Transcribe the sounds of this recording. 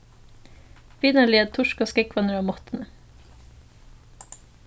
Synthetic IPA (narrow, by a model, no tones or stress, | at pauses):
ʋiːnəɭiːət̪ʰʊʃkoːskɛkʰʋɑnəɾoːmɔt̪n̩ə